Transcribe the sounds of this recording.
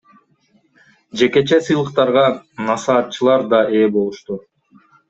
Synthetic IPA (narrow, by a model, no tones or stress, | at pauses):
d͡ʒe̞ke̞t͡ʃe̞sɯjlˠɯqt̪ɑɾʁɑnɑsɑːt̪̚t͡ʃɯlˠɑɾd̪ɑʔe̞ːbo̞lˠuʃt̪u